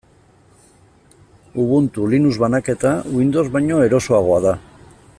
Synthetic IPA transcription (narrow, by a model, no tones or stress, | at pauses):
uβ̞unt̪ulinuzβanake̞t̪awind̪o̞zβajɲo̞e̞ɾo̞so̞aɣ̞o̞aða